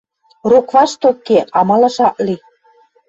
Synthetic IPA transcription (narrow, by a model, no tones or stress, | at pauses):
rukβɑʃt̪okːeɑmɑlɑ̆ʃɑʔli